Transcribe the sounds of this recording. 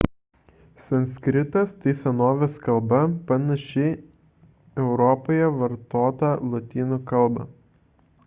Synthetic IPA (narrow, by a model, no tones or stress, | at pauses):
sɐnʲsʲkɾʲɪt̪ɐst̪ɐɪsʲɛnoːʋʲɛskɐlˠbɐpɐnɐʃʲɛ | ɛʊɾɔpoːjɛʋɐɾt̪oːt̪ɐlˠɔt̪ʲiːnukɐlˠˑbɐ̰